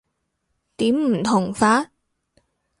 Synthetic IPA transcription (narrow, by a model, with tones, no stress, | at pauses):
t̪iː˨˥mm̩˨˩t̪ʰʊ˨˩ŋfaː˧˥